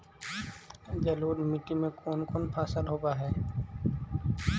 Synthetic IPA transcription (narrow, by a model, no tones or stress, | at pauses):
d͡ʒəloːd̪mɪʈimẽkoːnkoːnpʰaːsəlɦoːbaɦɛː